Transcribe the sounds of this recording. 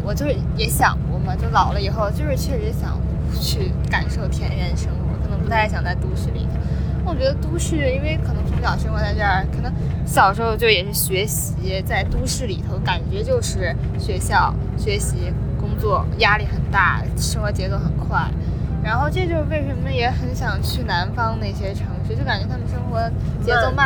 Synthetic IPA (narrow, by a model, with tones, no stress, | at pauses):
wɔ˨˩t͡ɕjo˥˧ʊʂɻ̩˥˩jɛ˧˥ɕjɑ̰˨˩ŋkɔ˧˥ma˧t͡ɕjo˥˩ʊlɑ˨˩ʊlə˦i˨˩xo˥˧ʊt͡ɕjo˥˧ʊʂɻ̩˥t͡ɕʰɥɛ˥˩ʂɻ̩˧˥ɛ˧˥ɕjɑ̰˨˩˦ŋ˧˩ | t͡ɕʰy˥˩ | ka˨˩nʂo˥˩ʊt̪ʰjɛ˧˥nɻɛ˧˥n˧ʂɤ˥ŋwɔ˧˥kʰɤ˨˩nɤ˧˥ŋpu˧˥t̪ʰɪɕjɑ˨˩ŋt͡sa˥˩ɪt̪u˥ʂ̩˥˩lḭ˨˩t̪ʰo˧˥ʊ˥˩ | wɔ˨˩t͡ɕɥɛ˧˥d̪ə˧t̪u˥ɕy˥˩i˥nwe˥˩ɪkʰɤ˨˩nɤ˧˥ŋpʊ˧˥jɑ˨˩ʊʂə˥ŋxwɔ˧˥t͡sa˥˧ɪʈ͡ʂɤ˥˩ə˞˥˧˩kʰɤ˨˩nɤ˧˥ŋɕjɑ˨˩ʊʂ̩˧˥˧ʊt͡ɕjo˥˩ʊjɛ˨˩ʂɻ̩˥˩ɕɥɛ˧˥ɕi˧˥˧t͡sa˥˩ɪt̪u˥ʂɻ̩˥˩li˨˩t̪ʰo˧˥ʊka˨˩nt͡ɕɥɛ˧˥t͡ɕjo˥˧ʊʂɻ̩˥˩ | ɕɥɛ˧˥ɕjɑ˥˩ʊ | ɕɥɛ˧˥ɕi˧˥ | kʊ˥ŋt͡swɔ˥˩ja˥li˥˩xə˨˩nt̪a̰˥˩ | ʂɤ˥ŋxwɔ˧˥t͡ɕjɛ˧˥t͡so˧˥ʊxə˨˩nkʰwa˥˩ɪɻa˧˥nxo˥˧ʊʈ͡ʂɤ˥˧t͡ɕjo˥˧ʊʂwe˥˩ɪʂə˧˥nmə˧jɛ˧˥xə˧˥nɕjɑ˨˩ŋt͡ɕʰy˥˩na˧˥nfɑ˥ŋna˥˩ɪɕjɛ˥ʈ͡ʂʰɤ˧˥ŋʂy˥t͡ɕo˥˩ka˨˩nt͡ɕɥɛ˧˥t̪ʰa˥mə˨nʂɤ˥ŋxwɔ˧˥ | t͡ɕjɛ˧˥o˥˧ʊma˥˩